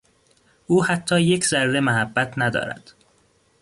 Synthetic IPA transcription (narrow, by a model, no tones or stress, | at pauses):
ʔuːhæt̪ʰːɒːjecʰzæɾːe̞mæɦæbːæt̪ʰnæd̪ɒ̰ːɾæ̰d̪̥